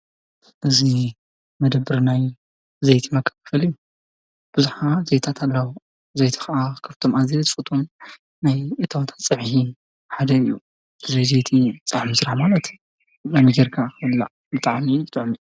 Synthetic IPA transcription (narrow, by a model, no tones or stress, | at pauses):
ʔɨzi | mɐd̪ɐbɨɾnaj | zɐjt̪ʰimɐkʰːɐ̥ffɐlijːu | b̥ɨzuħazejt̪ʰat̪ʰalːɐwu | zejt̪ʰi̥xaʔakʰɐft̪ʰo̞mazit̪ʼfɨt̪ʼʰum | najɨt̪ʰɐwt̪ʰḁt͡sʼɨʕhi | ħad̪ɐɨjːṵ | ɨzojzejt̪ʰit͡sʼaʕmisɾaħmalɐt̪ | zamiɡɐɾkʰakɐlːa̰ | bɨt̪ʼaʕmijɨt̪ʼʕmi